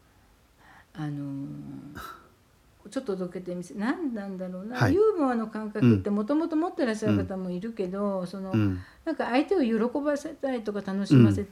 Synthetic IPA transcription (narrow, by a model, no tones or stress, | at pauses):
ano̞ | t͡ɕo̞t̪ːod̪oke̞t̪e̞misenãnd̪ãnd̪aɾo̞ːnajɯːbɯ̟̃ɰ̃ano̞kãŋkakɯt̪ːe̞mo̞t̪o̞mo̞t̪o̞mo̞t̪ːe̞ɾaɕːaɾɯ̟kat̪amo̞iɾɯ̟ke̞d̪o̞so̞no̞nãŋkaːit̪e̞o̞jo̞ɾo̞ko̞base̞t̪ait̪o̞kat̪ano̞ɕimase̞t̪